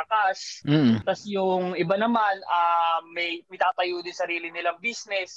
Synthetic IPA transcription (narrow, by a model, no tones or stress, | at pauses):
ɐkas̩t̪ɐsjʊŋɪbanɐmanamɛjmɐɪt̪aːt̪ɐjuːd̪ɪnsɐɾiːlɪnɪlɐŋbisnɛs